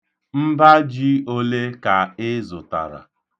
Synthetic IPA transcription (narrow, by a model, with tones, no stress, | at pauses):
m̩˦ba˦d͡ʒi˦o˦le˦ka˨ɪ˦zʊ˨ta̰˨ɾa̰˨